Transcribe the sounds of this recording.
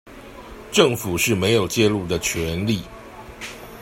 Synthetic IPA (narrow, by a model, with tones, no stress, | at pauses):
ʈ͡ʂə˥˨ŋfu˨˩ʂɻ̩˥˩me˧˦ɪjo˨˩ʊt͡ɕjɛ˥˧lu˥˩d̪ə˩t͡ɕʰɥɛ˧˦nli˥˨